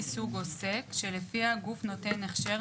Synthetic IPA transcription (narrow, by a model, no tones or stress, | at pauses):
isuɡose̞kʃelefiaɡufno̞te̞neχʃe